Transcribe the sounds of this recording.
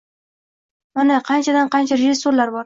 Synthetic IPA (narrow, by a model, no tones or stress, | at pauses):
manaqʰɑnt͡ʃʰad̪anqʰɑnt͡ʃʰaɾeʒɪsːoɾlaɾbɒɾ